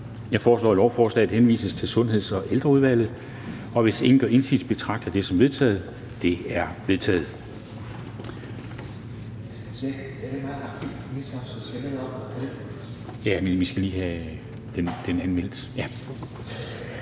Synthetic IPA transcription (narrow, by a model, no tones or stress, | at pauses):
jɑ̈ɪfɒːslɒ̰ːælɒʊfɒːslɛ̰ːd̥henʋḭːsəst͡sʰe̝lsɔ̽nɦe̝ð̰ˠsɒ̽ʔeld̥ʁɐuð̞ˠʋæl̰ð̩ˠ | ɒ̽ʋe̝se̝ŋn̩ɡ̥ɒe̝nsi̥sb̥e̝t͡sʰʁɑ̈ɡ̥d̥æd̥e̝sɒ̽mʋe̝ðˠt͡sʰɛ̰ːð̞̩ˠ | d̥e̝æɐʋe̝ðˠt͡sʰɛ̰ːð̩ˠ | sʋæ̥ | d̥edemɑ̈ːɑ̈ɡ̥̚t͡sʰi̥ | isɐsɒselənɒb̥ɐd̥e̥ | jæmenʋisɡ̥æliːhæ | d̥end̥enænmel̰d̥jæ